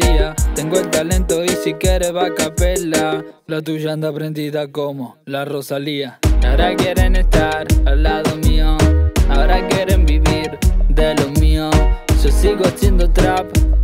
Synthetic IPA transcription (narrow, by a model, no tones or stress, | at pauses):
iat̪eŋɡoelt̪alent̪oisikjeɾeβakapela | lat̪̬uʒand̪apɾend̪iðakomo | larosaliaaɾakjeɾenest̪aɾalaðomioaoɾakjeɾembiβiɾd̪elomiososiɣoasjend̪ot̪ɾap